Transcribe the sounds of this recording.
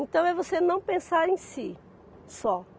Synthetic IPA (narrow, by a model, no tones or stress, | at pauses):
ẽnt̪ɐ̃w̃ɛvosenɐ̃w̃pẽsaɾẽj̃si | sɔ